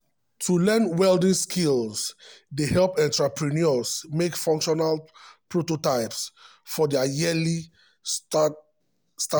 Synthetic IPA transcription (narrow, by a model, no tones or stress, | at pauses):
tʰulɛ̃nwɛldĩnskʰilsdehɛlpɛ̃ntɹapɹiniɔsmekfɔ̃ŋkʃɔnalpɹototaɪps | fɔdɛajili | sta